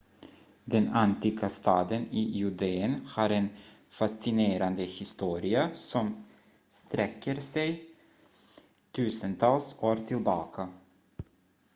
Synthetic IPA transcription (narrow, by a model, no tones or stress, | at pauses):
d̪ɛnant̪iːɡast̪ɑːd̪əniːjʉd̪eənhɑːɾɛn | fasɪneːɾand̪əhɪst̪uːɾɪasɔm | st̪ɾɛkːəɾsɛj | t̪ʰʉ̟ːsənt̪ʰɑːlsoːɾt̪ʰɪlbɑ̰ːkʰa